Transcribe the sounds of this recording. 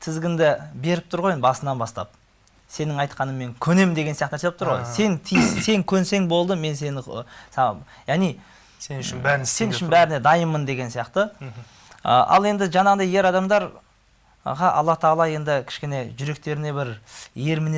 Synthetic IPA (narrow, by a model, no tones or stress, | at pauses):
t̪ʰɪzɡʲɪnd̪ɪbe̞ɾɪp̚t̪ʰʊɾʁojebɑsənɑnbɑst̪ɑ̰p̚ | se̞nɪŋɑjt̪qʰɑnəme̞ŋkʲʰɵne̞mɪnd̪eɡʲesijɑqt̪næɾset̪ɪp̚t̪ʰʊɾʁojse̞nt̪ʰijse̞ŋkʲʰɵnse̞ŋbo̞lˠd̪əme̞nse̞nɪ | jɑʁnij | se̞nʏʃɪnbæɾɪne̞d̪ɑjəmːənd̪e̞ɡʲe̞nsijɑqt̪ə | ə̰ʔɑ̰lˠe̞nd̪ɪʒɑnɑʁənd̪ɑje̞ɾɑd̪ɑmd̪ɑɾ | ʁɑʔɑ̰lˠːɑt̪ʰəɑlˠɑje̞nd̪ɪkʲʰɪ̥ʃkʲe̞ne̞ʒʏɾe̞k̚t̪e̞ɾɪne̞bɪɾje̞ɾmɪne